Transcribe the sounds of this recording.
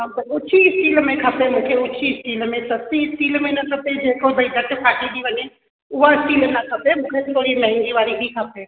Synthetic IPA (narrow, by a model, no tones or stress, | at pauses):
ɦãt̪əɾʊːʃʰisʈiːlmẽkʰəpemũkʰeʊːt͡ʃʰisʈiːlmẽsəsiɪsʈilmenəkʰəped͡ʒekʰob̪əid̪əʈpʰaːʈid̪iʋəne | uɦaɪsʈiːlnəkʰəpemũkʰet̪oɾimɛ̃ɦɛ̃ŋɡiʋaɾibʱikʰəpe